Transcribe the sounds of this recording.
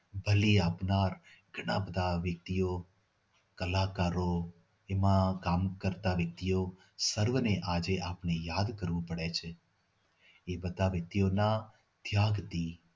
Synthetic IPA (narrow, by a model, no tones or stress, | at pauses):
bʱəliaːpnaɾ | ɡʱəɽ̃ãbəd̪ʱaʋjək̚t̪ijo | kəlakaɾo | emãkamkəɾt̪aʋjək̚t̪ijo | səɾʋəneʔad͡ʒeʔapnejad̪kəɾʋũpəɽet͡ʃʰe | ebəd̪ʱaʋjək̚t̪ijonã | d̪̥ʱjaɡt̪i